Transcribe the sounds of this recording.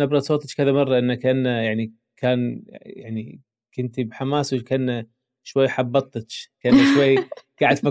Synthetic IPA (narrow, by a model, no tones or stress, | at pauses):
abɾˤɑd̪sˤoːt̪ˤɑt͡ʃkaðamɑrˤːɑʔɪnːakːaʔanːajaʕni | kʰaːnja̰ʕnḭ | kɪnt̪ibħamaːswkaʔanːa | ʃwajːħɑbːɑt̪ˤːt͡ʃkaʔanːaʃwajːɡ̥aʕɪd̪fa